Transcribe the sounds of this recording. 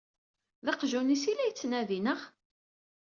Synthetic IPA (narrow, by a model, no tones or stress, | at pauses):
ðɑqʒunisilæjət͡sːnæðinəʁ